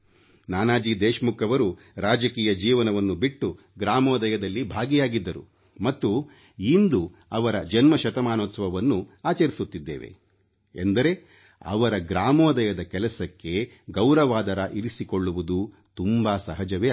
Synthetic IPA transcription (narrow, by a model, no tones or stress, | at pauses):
naːnaːd͡ʒiːd̪eːʃɐmukɐʋɐɾu | ɾaːd͡ʒɐkiːjɐd͡ʒiːʋɐnɐʋɐnːubiʈːu | ɡɾaːmɔːd̪ɐjɐd̪ɐlːibʱaːɡijaːɡid̪ːɐɾṵ | mɐt̪ːu | ind̪u | ɐʋɐɾɐd͡ʒɐnmɐʃɐt̪ɐmaːnoːt̪sɐʋɐʋɐnːuaːt͡ʃɐɾisut̪ːid̪ːḛːʋḛ | ḛnd̪ɐɾe̞ | ɐ̰ʋɐɾɐɡɾaːmoːd̪ɐjɐd̪ɐkɛlɐsɐkːe̞ | ɡɐwɾɐʋaːd̪ɐɾɐʔiɾisikoɭːuʋud̪u | t̪umbaːsɐɦɐd͡ʒɐʋeː